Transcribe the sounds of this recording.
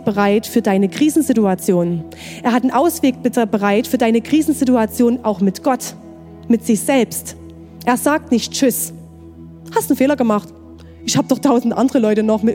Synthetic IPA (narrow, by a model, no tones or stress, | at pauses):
b̥əʁaɪtfyːɐdaɪnəkʁ̥iːzn̩zɪtuat͡sjoːn | ʔeːɐɦhatnʔaʊsv̥eːk̚bɪtəbəʁaɪtfyːɐdaɪnəkʁ̥iːzn̩zɪtuat͡sjoːnʔaʊxmɪtɡ̥ɔt | mɪtz̥ɪçz̥ɛlpst | ʔeːɐzaːk̚tnɪçtt͡ʃʏs | hastd̥un̩feːlɐɡəmaχt | ʔɪçhaːbəd̥ɔχtʰaʊzn̩dʔandəʁəlɔʏtənɔχmɪ